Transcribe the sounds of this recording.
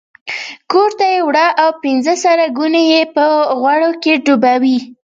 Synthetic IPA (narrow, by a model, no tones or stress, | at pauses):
koɾt̪ajewɽɑʔawpɪnzəsaɾaɡunejepəɣwaɽokeɖubawi